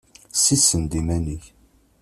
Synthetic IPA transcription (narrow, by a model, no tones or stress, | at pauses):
sisənd̪imæniç